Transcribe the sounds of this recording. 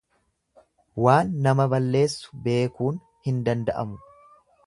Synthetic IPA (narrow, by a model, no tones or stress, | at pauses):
waːnːɐmɐbɐlːe̞ːsːʊ̥be̞ːkuːn | hɪnd̪ɐnd̪ɐʔɐ̰mʊ